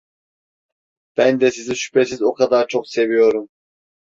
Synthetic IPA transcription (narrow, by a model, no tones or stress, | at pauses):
b̥ænd̪ɛsiziʃy̥pesizokʰɑd̪aɾt͡ʃʰoqse̞vijo̞ɾum